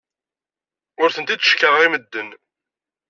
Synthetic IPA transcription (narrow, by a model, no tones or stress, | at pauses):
ʊɾθənt̪id̪ə̥ʃkəʁəʁiməd̪ːən